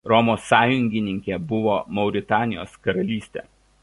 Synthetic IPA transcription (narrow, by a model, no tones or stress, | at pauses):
ɾɔmoːsɑːjʊŋʲɡʲɪnʲɪŋʲkʲebʊʋoːmɒʊɾʲɪt̪ɑːnʲɪjo̰ːskɐɾɐlʲiːsʲt̪ʲḛː